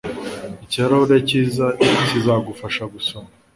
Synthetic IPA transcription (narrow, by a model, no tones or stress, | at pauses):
iciaɾoɾeciːzaiisizaɡufaʃaɡusoma